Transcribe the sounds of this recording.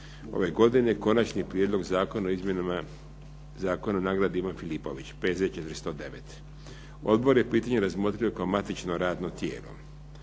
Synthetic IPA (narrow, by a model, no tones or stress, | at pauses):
o̞̰ʋe̞ɡo̞d̪ineko̞nat͡ʃnipɾjed̪lˠo̞ɡzaːko̞naoizmjenama | zaːko̞nanaːɡɾad̪iʋanfilipo̞̰ʋit͡ɕpeːzet͡ʃet̪ɾist̪od̪e̞ʋḛt̪ | o̞̰d̪bo̞ɾje̞piːt̪aɲeɾazmo̞t̪ɾijo̞kaomat̪it͡ʃnoɾaːd̪not̪jeːlo̰